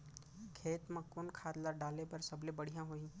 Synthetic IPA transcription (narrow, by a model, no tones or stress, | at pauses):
kʰeːt̪məkːʊnkʰaːt̪ləɾɖaːlepɐɾsɐblebəɽ̤ijãɦoĩ